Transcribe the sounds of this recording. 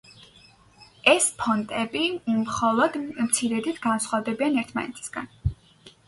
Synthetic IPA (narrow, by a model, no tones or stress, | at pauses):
ɛspʰɔnt̪ʼɛbimχɔlˠɔd̪mt̪sʰiɾɛd̪it̪ʰɡansχwavd̪ɛbianɛɾt̪ʰma̰nɛ̰t̪ʰi̥sɡ̥a̰n